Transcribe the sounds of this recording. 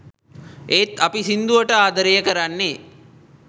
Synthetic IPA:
eːt̪ɐpisind̪uʋəʈəaːd̪əɾejəkəɾanːe

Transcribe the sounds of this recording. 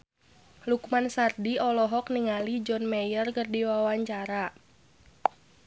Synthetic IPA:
lukumansardiɔlɔɦɔkniŋalid͡ʒɔnmɛjərkərdiwawaɲt͡ʃaɾa

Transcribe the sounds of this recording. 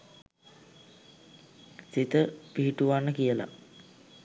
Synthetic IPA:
sit̪əpiɦiʈuʋanːəkijəla̰

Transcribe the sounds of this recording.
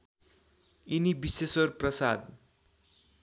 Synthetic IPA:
inibisesʌrprʌsad̪

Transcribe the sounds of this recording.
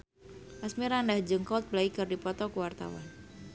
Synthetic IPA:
ʔasmiɾandahd͡ʒəŋkɔlt̪̚blaikɨrdipɔt̪ɔkuwart̪a̰wa̰n

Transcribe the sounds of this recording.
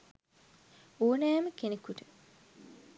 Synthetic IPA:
oːnæːməkenekuʈə

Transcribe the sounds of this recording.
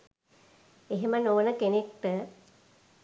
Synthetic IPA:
eɦemənoːnəkenek̚ʈə

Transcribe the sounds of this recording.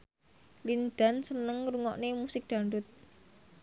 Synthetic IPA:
lind̪̥a̤nsənəŋɾuŋɔʔnemusɪk̚d̪̥a̤ɳɖʊt̪̚

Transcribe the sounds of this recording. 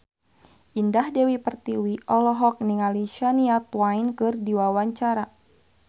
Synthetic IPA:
ʔindahdɛwipərt̪iwiʔɔlɔɦɔk̚niŋaliʃaniat̪wajnkɨrdiwawaɲt͡ʃaɾa

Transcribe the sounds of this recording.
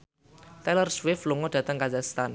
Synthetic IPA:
t̪ɛlərswɪflɔŋɔɖ̥ä̤t̪əŋkazaχst̪an

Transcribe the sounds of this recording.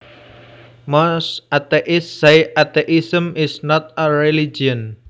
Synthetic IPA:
mɔsat̪eʔɪsːajat̪eʔisəmɪsnɔt̪̚əɹilid͡ʒən

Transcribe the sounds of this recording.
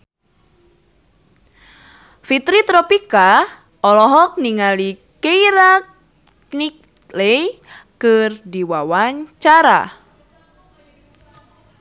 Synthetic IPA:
fit̪ɾit̪ɾɔpika | ɔlɔɦɔk̚niŋalikejɾa | nik̚ | lejkɨrdiwawaɲt͡ʃaɾa̰

